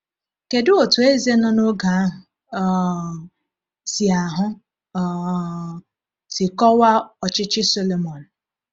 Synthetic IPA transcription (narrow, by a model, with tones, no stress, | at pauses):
ke˨dʊ˦o˨tu˨e˦ze˦nɔ˦no˦ɡa˨a˦ɦʊ˨˦ | si˨a˨ɦʊ˦˨ | sɪ˨kɔ˦wa˦ɔ˨t͡ʃɪ˦t͡ʃɪ˦so˦lo˨mɔ˨n̩˨